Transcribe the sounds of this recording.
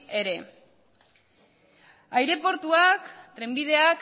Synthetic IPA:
e̞ɾe̞ | ajɾe̞po̞ɾt̪uakt̪ɾembið̞e̞ak

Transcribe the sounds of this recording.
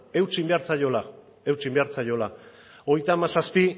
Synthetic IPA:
e̞wt͡simbe̞aɾt͡saʎo̞la | e̞wt͡simbeaɾt͡saʎo̞la | oɣjt̪amasaspi

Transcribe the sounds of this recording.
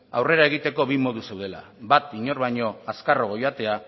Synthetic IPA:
awre̞ɾaeɣ̞it̪e̞ko̞βimo̞ðuse̞wðe̞la̰bat̪iɲo̞ɾβajɲo̞askaro̞ɣ̞ojat̪e̞a

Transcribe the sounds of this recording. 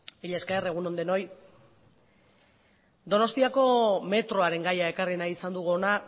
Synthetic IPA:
iʎaskaere̞ɣ̞uno̞nd̪eno̞j | d̪o̞no̞st̪iako̞me̞t̪ɾo̞aɾe̞ŋɡajae̞karinajisand̪uɣuona

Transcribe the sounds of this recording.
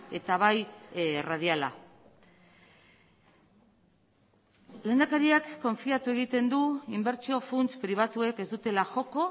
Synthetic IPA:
e̞t̪aβ̞ajrað̞iala̰ | le̞ːnd̪akaɾiakːo̞ɱfiat̪ue̞ɣ̞it̪e̞nd̪uimbe̞ɾt͡ʃio̞funt͡spɾiβ̞at̪ue̞ke̞zd̪ut̪e̞laxo̞ko̞

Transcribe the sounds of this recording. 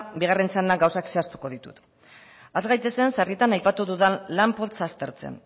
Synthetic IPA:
biɣ̞are̞nt͡sanaɡawsakse̞ast̪u̥ko̞ðit̪ṵt̪ | azɣajt̪e̞se̞nsarit̪anajpat̪uðuðanlampolt͡sast̪e̞ɾt͡se̞̰n

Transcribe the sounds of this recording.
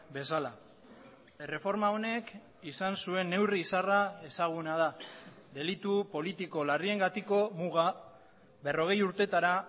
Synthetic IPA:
be̞sala̰ | ere̞fo̞ɾmao̞ne̞k | isansue̞nːe̞wriːsarae̞saɣ̞unað̞a | d̪e̞lit̪upo̞lit̪iko̞larie̞ŋɡat̪iko̞muɣ̞a | be̞ro̞ɣ̞e̞juɾt̪e̞t̪aɾa

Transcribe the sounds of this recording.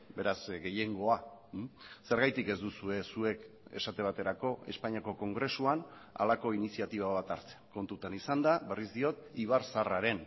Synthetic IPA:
be̞ɾasɡe̞je̞ŋɡo̞a | se̞ɾɣajt̪ike̞zd̪usue̞sue̞k | e̞̰sat̪e̞β̞at̪e̞ɾako̞e̞̰spaɲiako̞ko̞ŋɡɾe̞suana̰lako̞inisiat̪iβ̞aβ̞at̪aɾt͡seko̞nt̪ut̪anisand̪aβe̞rizd̪io̞t̪iβ̞aɾsaraɾe̞n

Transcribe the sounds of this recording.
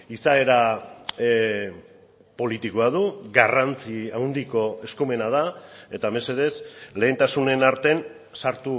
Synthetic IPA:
isae̞ɾa | po̞lit̪ikoaðuɣarant͡siawnd̪iko̞e̞skume̞nað̞ae̞t̪ame̞se̞ðe̞sle̞ːnt̪asune̞naɾt̪e̞n | saɾt̪u

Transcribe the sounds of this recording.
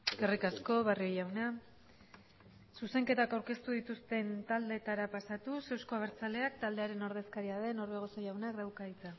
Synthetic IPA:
ɡerikasko̞βario̞jawna | suse̞ŋke̞t̪akawɾke̞st̪uðit̪ust̪e̞nt̪ald̪e̞t̪aɾapasat̪use̞wsko̞aβeɾt͡sale̞ak̚t̪ald̪e̞aɾe̞no̞ɾð̞e̞skaɾiað̞e̞no̞ɾβe̞ɣ̞o̞sojawneakd̪awkait͡sa

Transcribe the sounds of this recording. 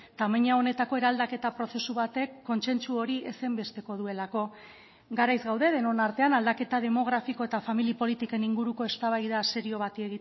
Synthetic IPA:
t̪ameɲao̞ne̞t̪ako̞e̞ɾald̪ake̞t̪apɾo̞se̞suβat̪e̞kːo̞nse̞nt͡suo̞ɾiesembe̞st̪e̞ko̞ðue̞lako̞ | ɡaɾajzɣawðe̞ðe̞no̞naɾt̪e̞anald̪ake̞t̪að̞e̞mo̞ɣ̞ɾafiko̞e̞t̪afamilipo̞lit̪ike̞niŋɡuɾuko̞e̞st̪aβ̞ajðase̞ɾio̞βat̪ieɣi

